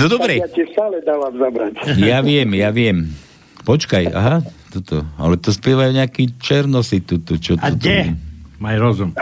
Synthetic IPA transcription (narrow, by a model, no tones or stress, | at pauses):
nɔd̪ɔbɾɛatifst̪aːlɛd̪alavzabɾatjaʋɪɛmjaʋɪɛm | pɔt͡ʃkaja̰ɦat̪ɔt̪ɔa̰lɛt̪ɔspɛʋajuɲɛakiːt͡ʃɛɾnɔsit̪ut̪ut͡ʃɔtɔt̪ɛmajɾɔzum